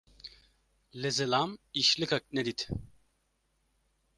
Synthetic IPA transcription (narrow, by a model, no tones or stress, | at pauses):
lezelamiʃlʲikak̚ned̪it̪